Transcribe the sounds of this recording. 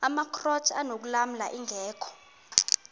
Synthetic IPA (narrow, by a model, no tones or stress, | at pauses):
amakʰrɔt͡ʃʰanok̬ulam̩laʔiŋʱɛːkʰɔ̥